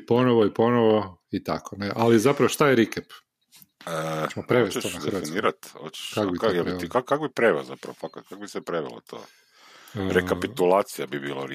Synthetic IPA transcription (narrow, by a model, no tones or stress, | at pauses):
po̞noʋoipo̞noʋoit̪a̰kʰoneʔalizapɾaʋoʃt̪ajeɾikep | əmopɾeʋeet̪od̪eniːɾat̪ho̰t͡ʃe̥ʃkakobijelit̪ikakkakbipɾeʋelozapɾa̰ʋofakat̪̚kakobisepɾeʋḛlo̰t̪ʰo̰ː | ɾekapit̪ulaːt̪sijabibḭːlo̰ɾ